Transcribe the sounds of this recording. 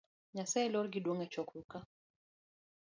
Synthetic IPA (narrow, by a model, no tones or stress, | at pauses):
ɲasɛlɔɾɡiɗuŋɛt͡ʃɔkuka